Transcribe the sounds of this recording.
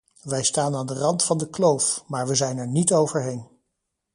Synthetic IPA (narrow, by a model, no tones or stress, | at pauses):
ʋɛjstaːnaːndərɑntfɑndəklowfmaːɹʋəzɛjnɛɹnitowvəɹɦejn